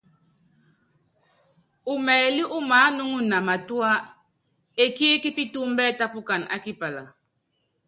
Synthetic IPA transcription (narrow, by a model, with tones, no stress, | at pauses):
u˨mɛː˨li˦ʔu˦maː˨˦nu˦ŋu˦na˨ma˨tu˦a˦ | e˨ki˦ki˦pi˦tu˦m˦bɛ˦ta˦pu˦ka˨na̰˦ki˦pa˨la̰˨